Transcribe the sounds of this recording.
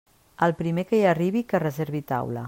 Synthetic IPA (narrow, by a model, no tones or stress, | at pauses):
əlˠpɾimekəjəriβ̞ikərəzeɾβit̪a̰wlə̰